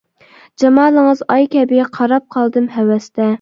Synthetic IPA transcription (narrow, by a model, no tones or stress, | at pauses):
d͡ʒɑmɑːlˠəŋəzɑjkʲʰɛbɪɛqʰɑɾɑp̚qʰɑlˠd̪ɨmɦɛwɛst̪ɛ